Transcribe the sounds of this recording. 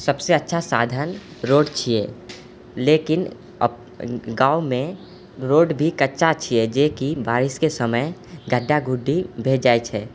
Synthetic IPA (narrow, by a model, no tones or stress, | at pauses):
səbseətːʃʰasaːd̪ʱənɾoːɖt͡ʃʰie | leːkɪn | ə̰ | ɡaːumẽ | ɾoːɖbʱikətːʃat͡ʃʰied͡ʒeːkibaːɾɪskesəməjɡʱəɖːaɡʱʊɖʱːibʱeːd͡ʒaːjt͡ʃʰɛ